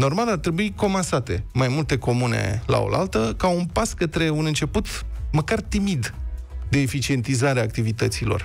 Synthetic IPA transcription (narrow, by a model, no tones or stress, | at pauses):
no̞rmalart̪ɾe̞buiko̞mansat̪e̞majmult̪e̞ko̞mune̞̰la̰o̞̰lʔa̰lt̪əkaunpaskət̪ɾe̞unɨnt͡ʃe̞put̪məkart̪imid̪d̪e̞ːfit͡ʃie̞nt̪izaɾeaːk̚t̪ivit̪ət̪silo̞̰r